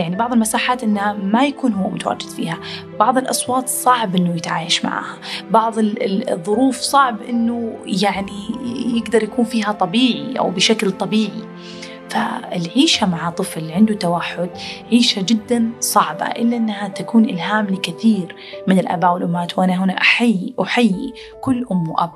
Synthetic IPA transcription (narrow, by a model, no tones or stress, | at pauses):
jaʕnibɑʕðˤɨlmasaːħaːt̪ʔɪnːhamajakuːnhʊwːamʊt̪awa̰ːd͡ʒɪd̪fḭːha | b̥ɑʕðˤɨlʔɑsˤwɑːt̪ˤsˤɑʕbʔɪnːʊjɪt̪ʕa̰ːjaʃma̰ʕa̰ːhabɑʕðˤðˤːʊɾuːfsˤɑʕbʔɪnːujaʕnijɪɡd̪ɑɾˤjakuːnfiːɦat̪ˤɑbiːʕiʔa̰wbɪʃaklt̪ˤɑbiːʕi | faɪlʕiːʃamaʕat̪ˤɨflʕɪnd̪ut̪awaħːʊd̪ʕiːʃad͡ʒɪd̪ːansˤɑʕba̰ʔɪlːaʔɪnːhat̪akuːnʔɪ̰lɦaːmlɪkɪθiːɾ | mɪnɪlʔa̰baːʔwɪlʔʊmːaːt̪wʔanaɦʊnaʔaħajːiwħajːi | kʊlːʔʊmːwʔa̰b̚